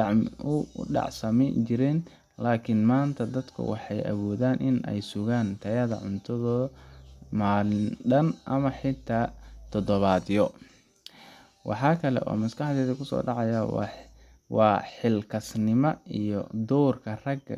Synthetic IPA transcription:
d̪ɑʕmʊ̰ɖɑ̰ʕsɐmɛnt͡ʃɪɾɛːn | laːkʰɪnmaːnt̪ʰɐd̪ɐd̪kʰʊ̰wɑ̰ħɑjʔɐ̰wɔːðaːnʔɪnɛ̰jsʊɣaːnt̪ʰɐjɐðɐ̰ʕʊnt̪ʰɐðɔː | maːlɪnɖɐnʔɐmɐħɪt̪ʰaːt̪ʰɔd̪ɔβaːðɪjɔ | wɑ̰ħɑːkʰɐlɛ̰ʔɔ̰ːmɐskɑħd̪ɛːðɐkʰʊsɔ̰ːɖɑʕɑjɐw | wɑːħɪlkʰɐsnɪmɐijɔ̰d̪ɔːrkʰɐrɐɡ

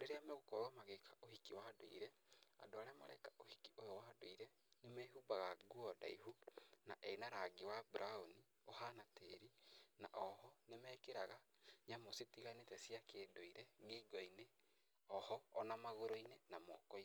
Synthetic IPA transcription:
oɾeɾeameɣokɔɔmaɣekʰaohikiwado̰ḭɾɛa̰doaɾeamaɾa̰ikaʔohikiojowaːdoiɾɛ | nemɛɦubaɣaɡuɔda̰ihuna̰ʔɛinaɾaɡiwabɾʔaoni | ohanateɾina̰ʔɔhɔnemɛːkeɾaɣa | ɲamositiɣanetɛsiakedoiɾɛɣeɡɔine | ɔhɔːnamaɣoɾoinenamɔkɔi

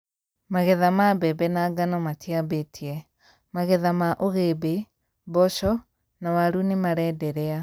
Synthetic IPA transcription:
maɣɛðamabɛbɛnaɡanɔmatiabetʰiɛ | maɣɛðamaʔoɣebe | bɔʃɔ | nawaɾunemaɾɛdɛɾɛa

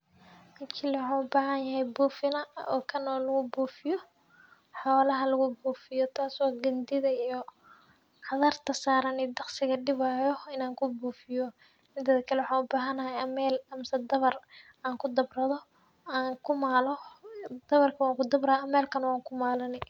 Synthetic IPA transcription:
mɐkʰɪlwħɑːnʊbaːhɐnjɐɦɛjbuːfɪnɐɔ̰ːkʰɐnɔːlɐɣʊbuːfɪjɔ | ħɔːlɐɦɐlɐɣʊbuːfɪjɔt̪ʰaːsɔːɡɐnd̪ɪðɐijɔ | ʕɑðɐrt̪ʰɐsaːɾɐnɪːd̪ɑqsɪɣɐɖɪβaːjɔɪnaːŋkʰʊbuːfɪjɔ | mɪd̪ɐðɐkʰɐlɛwħaːnʊbaːɦɐnɐhɐjɐmɛːlɐmsɐd̪ɐβɐr | aːŋkʰʊd̪ɐbrɐðɔ | aːŋkʰʊmaːlɔd̪̥ɐβɐrkʰɐwaːŋkʰʊd̪ɐbrɐɐmɛːlkʰɐnwaːŋkʰʊmaːlɐnɪ

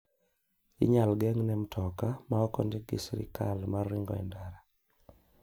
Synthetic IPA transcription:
ɪ̰ɲalɡɛŋnɛmtʰɔkamaɔkɔ̰ndeɡḭsɾḭkalmariŋɡɔ̰ɛ̰ndaɾa

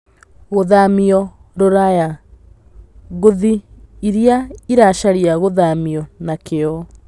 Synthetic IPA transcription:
ɣoðamiɔ | ɾoɾaja | ɣoðiiɾiaiɾaʃaɾiaɣoðamiɔnakeɔ

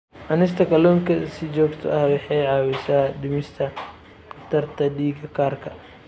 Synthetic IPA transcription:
ʔɐnɪs̬t̪ʰɐkʰɐlɔːŋkʰɐsɪt͡ʃɔːɡt̪ʰɔ̰ʔɐhwɑħɑjʕɑːwɪsaːd̪ɪmɪst̪ʰɐ | qɑft̪ʰɐrt̪ʰɐɖiːɡɐkʰaːrkʰɐ

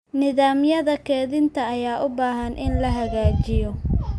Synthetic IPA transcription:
nɪðaːmjɐðɐkʰɛːðɪnt̪ʰɐːjaːʔʊbaːɦɐnʔɪnlɐɦɐɣaːt͡ʃɪjɔ

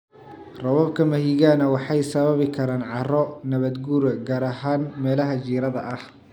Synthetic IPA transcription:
rɐβɐb̚kʰɐmɐɦiɣaːnɐwɑħɑjsɐβɐβɪkʰɐɾaːnʕɑrɔnɐβɐd̪ɡuːɾɐɡaːɾɐɦaːnmɛːlɐɦɐt͡ʃiːɾɐðɐʔɐh

